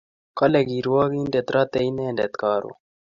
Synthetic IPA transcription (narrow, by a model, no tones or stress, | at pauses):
kɐleɡiːɾuwaːɡiːnɖet̪ɾʔaːt̪eineːnɖet̪kɑːɾṵ